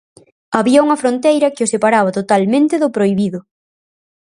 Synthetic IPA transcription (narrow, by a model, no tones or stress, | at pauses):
aβiɐuŋɐfɾont̪ejɾɐkɪʊsepaɾaβ̞ɐt̪ot̪almẽnt̪ɪðʊpɾojβiðʊ